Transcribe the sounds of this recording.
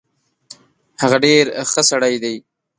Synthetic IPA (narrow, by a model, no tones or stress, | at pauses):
haɣaɖeɾxəsaɽajd̪aj